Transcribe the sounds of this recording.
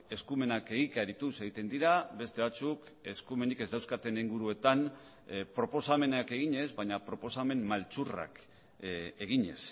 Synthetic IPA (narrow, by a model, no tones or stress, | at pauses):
e̞skume̞nake̞ɣik̪aɾit̪use̞ɣit̪e̞nd̪iɾaβe̞st̪e̞βat͡suk | e̞skume̞nike̞zd̪awskat̪e̞niŋɡuɾue̞t̪an | pɾo̞po̞same̞nake̞ɣ̞iɲe̞zβaɲapɾo̞po̞same̞mmalt͡sura̰k | eɣiɲe̞̰s